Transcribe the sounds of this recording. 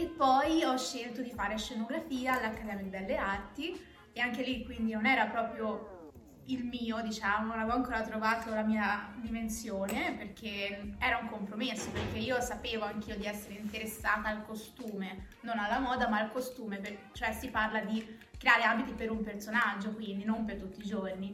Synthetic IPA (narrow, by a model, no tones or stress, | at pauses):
epːɔjɔʃːelt̪od̪ifaːɾeʃːenoɡɾafiːaːlːakːad̪ɛːmad̪ibɛlːeart̪i | eaŋkelikːwind̪inonɛːɾapɾɔːpɾjo | ilmiːod̪it͡ʃaːmolavoaŋkoːɾat̪ɾovaːt̪olamiːad̪imensjoːneperk̟eɛːɾauŋkompɾomesːoperk̟eiːosapeːvoaŋk̟iːod̪iɛsːeɾeint̪eɾesːaːt̪aːlkost̪uːme | nonalːamɔːd̪amaːlkost̪uːmepet͡ʃoɛsiparlad̪i | kɾeaːɾeaːbit̪ipeɾumpert̪sonad͡ʒːokwind̪inompert̪ut̪ːiːd͡ʒorni